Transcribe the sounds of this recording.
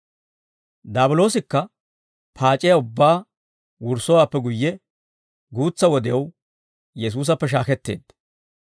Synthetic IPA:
d̪aːbʊlo̞ːsɪkːɐ | pʰaːt͡ʃʼːɪjɐʊbːaː | wʊɾsɔwaːpːɛɡʊjːɛ | ɡuːt͡sːɐwɔd̪ɪjɐw | jɛs̬uːs̬ɐpːɛʃ̬aːkɛt̪ːe̞̰ːd̪̥

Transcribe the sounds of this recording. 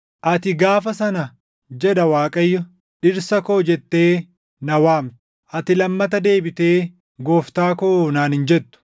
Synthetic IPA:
ʔɐt̪ɪɡaːfɐsɐnɐ | d͡ʒɛᶑɐwaːkʼɐjːɔ | ᶑɪɾsɐkoːd͡ʒɛt̪ːe̞ː | nɐwaːmt̪ʊ̥ | ʔɐt̪ɪlɐmːɐt̪ɐd̪e̞ːbɪt̪e̞ː | ɡo̞ːft̪aːkoːnaːnhɪnd͡ʒɛt̪ːʊ̥

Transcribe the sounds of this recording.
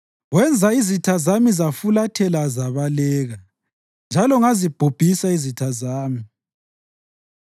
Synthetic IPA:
ɣwɛnd͡zʱaizitʰazamizafulatʰɛlazaβalɛːɣa | nd͡ʒʱalɔŋazib̥ʱob̥ʱisaizitʰazaːmi

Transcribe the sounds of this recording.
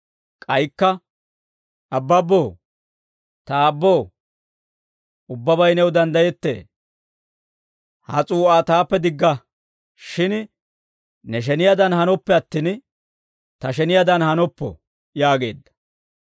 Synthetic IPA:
kʼɐjkːɐ | ʔɐbːɐbːoː | t̪ɐːbːoː | ʊbːɐbɐjnɛwd̪ɐnd̪ɐjɛt̪ːḛː | hɐ̰t͡sʼuːaːt̪aːpːɛd̪ɪɡːɐ | ʃɪn | nɛʃ̬ɛnɪjad̪ɐnhɐnɔpːɛɐt̪ːiːn | t̪ɐʃ̬ɛnɪjad̪ɐnhɐnɔpːɔ̰ | jaːɡe̞̰ːd̪ːɐ̥

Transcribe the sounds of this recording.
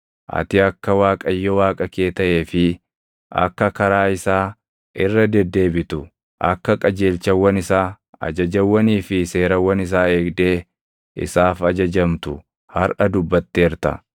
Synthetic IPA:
ʔɐ̰t̪ɪɐkːɐwaːkʼɐjːɔwaːkʼɐke̞ːt̪ɐʔe̞ːfɪ | ʔɐ̰kːɐkɐɾaːɪsaː | ʔɪrːɐd̪ɛd̪ːe̞ːbɪt̪ʊ | ʔɐkːɐkʼɐd͡ʒe̞ːlt͡ʃɐwːɐnɪsaː | ɐ̰d͡ʒɐd͡ʒɐwːɐniːfɪse̞ːɾɐwːɐnɪs̬aːe̞ːɡd̪eː | ʔɪ̰saːfɐd͡ʒɐd͡ʒɐmt̪ʊ | hɐɾʔɐd̪ʊbːɐt̪ːeːɾt̪ɐ̰

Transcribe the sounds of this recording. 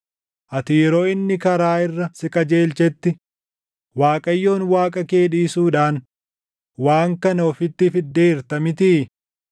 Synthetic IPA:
ʔɐt̪iːɾoːɪnːɪkɐɾaːɪrːɐsɪkʼɐd͡ʒeːlt͡ʃɛt̪ːɪ | waːkʼɐjːo̞ːnwaːkʼɐke̞ːᶑiːsuːᶑaːn | waːŋkɐnɐɔfɪt̪ːɪfɪd̪ːeːɪɾt̪ɐmɪt̪̬ɪː

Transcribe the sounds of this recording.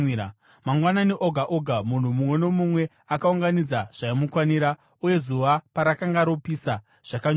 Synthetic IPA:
ɾa | maŋɡwananeʔo̞ɡʱaʔoɡʱamun̤umumwe̞no̞mumwe̞ | akauŋɡanid͡zaʐ̥aimukwaniɾa | uje̞zuʋapaɾakaŋɡaɾo̞pisa | ʐ̥akaɲ

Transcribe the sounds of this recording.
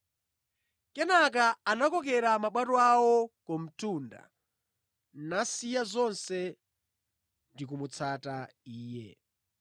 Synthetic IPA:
kɛnak̬aanakɔk̬ɛɾamaɓwatɔawɔkɔm̩tuːnda̰ | nasijazɔnsɛ | ndik̬umut͡sʰataiːjɛ̰

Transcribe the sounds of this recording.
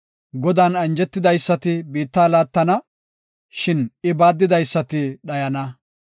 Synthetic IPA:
ɡɔd̪aːnɐnd͡ʒɛt̪ːɪd̪ɐjsːɐt̪ɪbiːt̪ːaːlaːt̪ːɐnɐ | ʃɪnɪbaːd̪ːɪd̪ɐjsːɐt̪ɪɗɐjɐnɐ

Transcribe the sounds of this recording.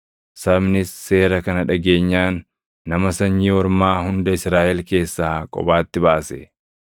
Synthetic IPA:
sɐmnɪsːe̞ːɾɐkɐnɐᶑɐɡe̞ːɲːaːnː | ɐmɐsɐɲːiːwɔɾmaːhʊnd̪ɐɪsɾaːʔɛlke̞ːsːaːkʼɔ̰baːt̪ːɪbaːsɛ

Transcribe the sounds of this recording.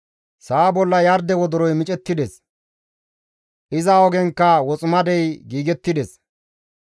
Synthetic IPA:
saːbɔlːɐjɐɾd̪ɛwɔd̪ɔɾɔjmɪt͡ʃʼɛt̪ːɪd̪ɛs | ʔɪzɐɔɡɛŋkːɐwɔt͡sʼʊmɐd̪ɛjɡiːɡɛt̪ːɪd̪ɛs

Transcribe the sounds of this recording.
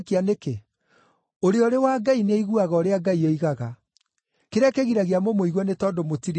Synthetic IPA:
keaneke | oɾeɔɾewaɡaineiɣuaɣɔoɾeaɡaieiɣaɣa | keɾɛkeɣiɾaɣeamomoiɣwɔnetɔːndomotiɾ

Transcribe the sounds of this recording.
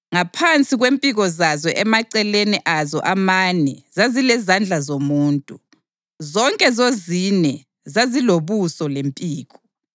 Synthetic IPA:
ŋapʰant͡sʼiɣwempʼiɣɔzazɔʔɛmaǀɛleniʔazɔ̰ʔamanɛzazilɛzand͡ɮʱazomuːntʼu | zɔŋkʼɛzozinɛ | zaziloβusɔlempʼiːɣɔ

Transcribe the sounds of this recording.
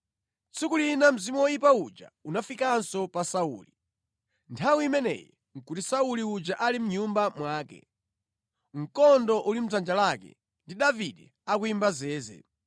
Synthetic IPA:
t͡sʰikulinam̩zimɔwɔjipaud͡ʒa̰unafikansɔpasaṵli | ntʰawiimɛnɛ̰jɛ | ŋ̩kutisauliud͡ʒaʔalim̩ɲumbamwaːkɛ̰ | ŋ̩kɔndɔʔulim̩d͡zand͡ʒalakɛ̰ | ndiɗaviɗɛ | akuimbazɛːzɛ̰

